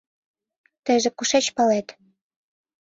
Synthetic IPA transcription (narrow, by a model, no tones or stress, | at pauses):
t̪ə̆ʒĕkuʃet͡ɕpɑlet̪